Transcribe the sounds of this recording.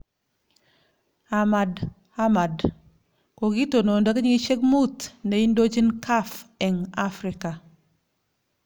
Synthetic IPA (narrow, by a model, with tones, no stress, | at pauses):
ha˨ma˨d | ha˦ma˨d | ko˨ɡi˦to˨no˨ndo˦ki˦ɲi˦ʃe˦ɡmu˦tne˨i˦ndo˦d͡ʒi˦nkʰa˦fe˨ŋa˦fɾika˨